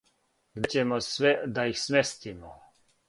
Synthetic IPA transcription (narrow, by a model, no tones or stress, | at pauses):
ɡd̪t͡ɕemosʋɛd̪aixsmest̪imo